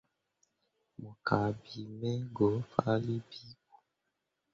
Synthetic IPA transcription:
mo˨kʰa˨bi˨mɛ˦ɡɔ˨˦fa˦li˦bi˦ku˨

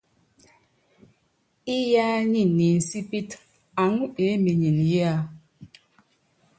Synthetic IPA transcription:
i˦ja˦ɲi˦˨ni˨n̩˨si˦pi˦t | a˨˦ŋu˦e˨˦mi˨ɲi˨nje˦a˦

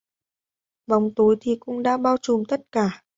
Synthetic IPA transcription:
va˨wŋ͡mt̪o˨˦jt̪ʰi˨˩kʊ̰˧˥ŋ͡mɗa̰ː˧˥ɓaː˧wt͡ɕu˨˩mt̪ə˦˥t̚kaː˧˩

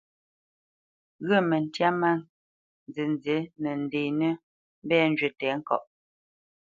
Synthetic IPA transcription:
ɣə˦˨mə˨n˨tja˦ma˦ | n˨ze˨n˦ze˨˦nə˨n̩˨de˨nə˦ | m̩˦bɛː˦n˦d͡ʒɥe˨tɛ˨˦ŋ̩˦kɔ̰˦˨ʔ

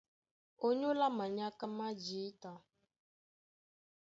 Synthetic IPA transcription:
o˦ɲo˦la˦ma˨ɲa˦ka˦ma˦d͡ʒi˨˦ta˨

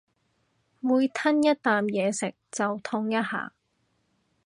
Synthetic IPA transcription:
muː˨˧jt̪ʰɐ˥njɐ˥t̚t̪aː˨mjɛː˨˧sɪ˨˩k̚t͡sɐ˨wt̪ʰʊ˧˥ŋjɐ˥t̚ha̰ː˨˩

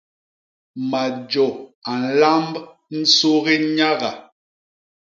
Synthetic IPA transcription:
ma˨d͡ʒɔ˨a˨n̩˨˦la˦mb | n̩˦so˦ɣe˦ɲa˦ɣa˨

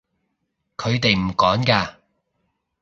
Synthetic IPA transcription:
kʰɵ˨˧ɥt̪e˨jm̩˨˩kɔː˨˥ŋkaː˧

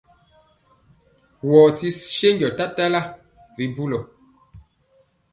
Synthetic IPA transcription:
wɔ˨ti˦ʃe˦ɲɟɔ˨ta˦ta˦la˦ | ɾi˨bu˦lo˨

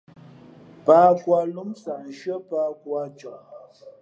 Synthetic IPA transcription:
pa˦kwa˦lu˦msa˨ʔʒə˦pa˦kwa˦t͡ʃɔ˨ʔ

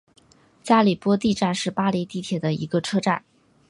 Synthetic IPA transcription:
t͡ɕja˥li˨˩pwɔ˥t̪i˥˧ʈ͡ʂa˥˧nʂɻ̩˥˩pa˥li˧˥t̪i˥˩t̪ʰjɛ˨˩d̪ə˦ḭ˧˥ɡə˧ʈ͡ʂʰɤ˥ʈ͡ʂa̰˥˩n

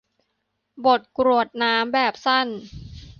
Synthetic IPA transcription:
bo˨˩t̪̚kɾu˨˩ət̪̚naː˦˥mbɛː˨˩p̚sa˥˩n

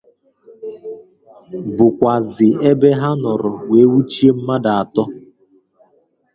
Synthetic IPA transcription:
bʊ˨kʷa˨zɪ˨e˦be˦ɦa˦nɔ˨ɾʊ˨we˨˦wu˦t͡ʃi˦e˦m̩˦ma˦da˨a˨tɔ˦

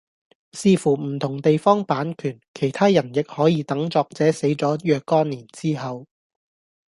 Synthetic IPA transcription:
siː˧fuː˨˩m̩˨˩t̪ʰʊ˨˩ŋt̪e˨jfɔː˥ŋpaː˨˥nkʰyː˨˩nkʰe˨˩jt̪ʰaː˥jɐ˨˩njɪ˨k̚hɔː˨˥jiː˨˧t̪ɐ˨˥ŋt͡sɔː˧k̚t͡sɛː˨˥se˨˥jt͡sɔː˨˥jœː˧kːɔː˥nːiː˨˩nt͡siː˥ɦɐ˨˧w

